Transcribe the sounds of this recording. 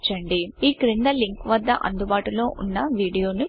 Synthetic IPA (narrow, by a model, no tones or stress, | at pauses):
t͡ʃːɐɳɖiiːkiɾiɳd̪ɐliŋkʋɐd̪ːɐʔɐ̰nd̪ubaːʈulo̞ːʔunːɐʋiːɽijo̞ːnu